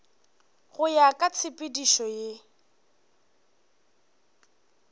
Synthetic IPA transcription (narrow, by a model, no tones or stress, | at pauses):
ɣʊjakʼat͡sʰɪpʼɪdiʃɔje